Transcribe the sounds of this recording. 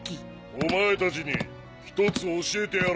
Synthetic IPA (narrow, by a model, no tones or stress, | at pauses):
omae̞t̪at͡ɕiɲ̟ḭ | çi̥t̪o̞t͡sɨoɕeːt̪e̞jaɾ